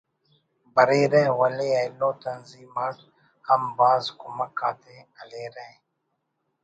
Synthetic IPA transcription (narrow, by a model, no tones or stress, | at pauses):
bəɾeːɾẽːwəleːɐɪlõːt̪ənziːmaːʈ̪ | həmbaːzkʊməkaːt̪eːəleːɾẽ